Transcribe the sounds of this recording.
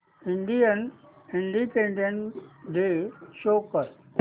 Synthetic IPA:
ĩɳɖijən | ĩɳɖipẽɳɖẽɳʈɖeːʃoːkəɾ

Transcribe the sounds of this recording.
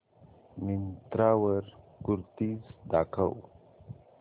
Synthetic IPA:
mint̪ɾaːwəɾ | kuɾt̪izd̪aːkʰa̰w

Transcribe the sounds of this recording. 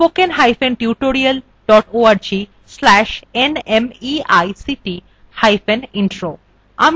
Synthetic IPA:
pokenɦajfenʈiuʈoɾial | ɖɔʈoaɾd͡ʑi | slɛʃenemiajsiʈi | hajfeninʈɾo | a̰m

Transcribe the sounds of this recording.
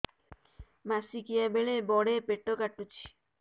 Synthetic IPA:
masikiabeɭebɔɽepeʈːokaʈːut͡ɕʰi̥

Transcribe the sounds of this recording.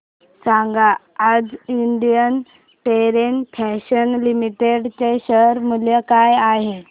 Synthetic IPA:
saŋɡaː | d͡ziɳɖ̪ijən | ʈeɾenpʰɛɕənlimiʈeɽt͡ɕeɕəɾmuljəkajaɦe

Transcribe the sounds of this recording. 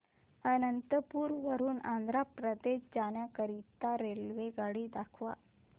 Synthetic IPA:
ənənt̪əpuːɾʋəɾuːnãnd̪ɾapɾəd̪eɕd͡ʑaɳjakəɾit̪aɾelʋeɡaɽiːd̪akʰʋa̰

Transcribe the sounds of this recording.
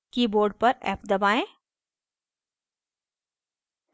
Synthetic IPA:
kiboːɾɖ̚pɐɾɛ̰ːpd̪ɐbaːẽː

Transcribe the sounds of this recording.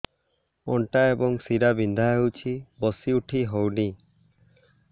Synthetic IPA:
ɔ̰ɳʈaebɔŋsiɾabind̪ʱajɦowt͡ʃʰibɔsiuʈʰiɦowni

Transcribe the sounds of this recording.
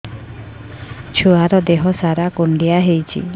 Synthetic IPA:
t͡ʃʰuaɾɔd̪eɦɔsaɾakuɳɖiaɦejt͡ʃʰḭ

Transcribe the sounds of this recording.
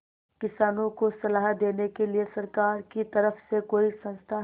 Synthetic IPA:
kɪsaːnõkosɐlaːɦd̪eːnekeliesɐɾkaːɾkit̪ɐɾəfsekoːisɐ̃nst̪ʰa

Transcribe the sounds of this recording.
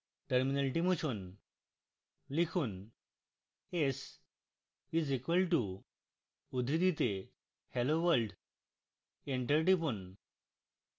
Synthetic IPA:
ʈəɾminalʈimut͡ɕʰun | likʰuːn | es | izikʋəlʈuː | d̪ʱɾid̪it̪e | heloʋəɾɖ | eɳʈəɾʈ̬ipun

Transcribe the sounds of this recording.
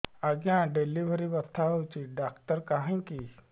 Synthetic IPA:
aɡjãɖeliʋəɾibət̪ʰːaɦowt͡ɕiɖaːkʈəɾkaɦãki

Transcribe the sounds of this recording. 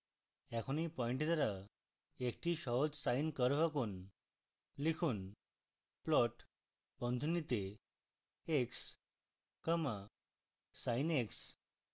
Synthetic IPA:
ɛkʰonipɔjɳʈt̪əɾa | ekʈiɕɔɦɔt͡ssajnkəɾʋəkuːn | likʰuːn | plɔʈ | bə̃nd̪ʱunit̪e | eks | kəma | sajneks

